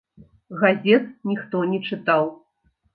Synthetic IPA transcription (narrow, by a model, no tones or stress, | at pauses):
ɣazʲɛt̪nʲixt̪ɔnʲɛt͡ʂɨt̪aw